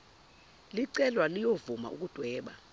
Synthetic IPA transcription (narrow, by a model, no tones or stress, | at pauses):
liǀɛlwalijovuma̰ʔṵk̬ud̥ʱwɛːɓa